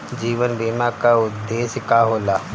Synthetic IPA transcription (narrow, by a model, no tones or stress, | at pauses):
d͡ʒiːʋənbiːmakaʊd̪ːeːskaɦoːlaː